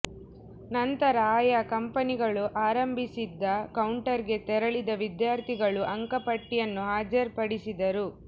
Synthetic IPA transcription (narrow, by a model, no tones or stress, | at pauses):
nɐnt̪ɐɾɐaːjɐkɐmpɐniɡɐɭuʔaːɾɐmbʱisid̪ːɐkɐwɳʈɐɾɡe̞t̪ɛɾɐɭid̪ɐʋid̪jaːɾt̪ʰiɡɐɭuʔɐŋkɐpɐʈːijɐnːuɦaːd͡ʒɐɾpɐɽisid̪ɐɾu